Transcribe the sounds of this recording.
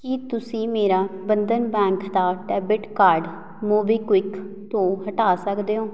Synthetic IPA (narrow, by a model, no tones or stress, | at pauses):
kɪt̪ʊsĩːmeːɾaːbənd̪ənbɛ̃ːŋkd̪aːʈɛːbɪʈkaːɾɖ | moːbiːkwɪk | t̪õːɦəʈaːsəkd̪eːoː